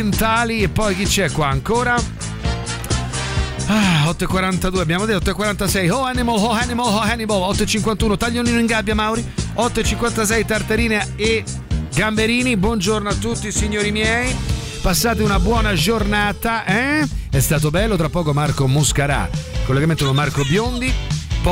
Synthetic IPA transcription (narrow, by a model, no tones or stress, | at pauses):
nt̪aːliepːɔjk̟it͡ʃːɛkwaːŋkoːɾa | aɔt̪ːoekːwaɾant̪ad̪uːeabːjaːmod̪et̪ːɔt̪ːoekwaɾant̪asɛjoɛnemolɦohɛnemolɦohɛnibɔlɔt̪ːoet͡ʃːiŋk̬want̪uːnot̪aʎːoniːnoiŋɡabːjamawɾiɔt̪ːoet͡ʃiŋkwant̪as̬ɛjt̪art̪aɾiːnee | ɡambeɾiːnibwɔnd͡ʒornoat̪ːut̪ːisiɲːoːɾimjɛːj | pasːaːt̪̬eunabwɔːnad͡ʒornaːt̪aʔɛɛst̪aːt̪̬obɛlːot̪ɾapːɔːkomarkomuskaɾa̰kːolːeɡament̪okomarkobjond̪ip